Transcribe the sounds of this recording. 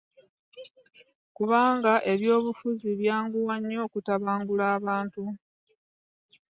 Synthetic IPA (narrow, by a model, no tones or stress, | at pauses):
kuβaːŋɡaʔe̞βjo̞ːβufuziβjaːŋɡuwaɲːo̞ːkutaβaːŋɡulaːβaːntu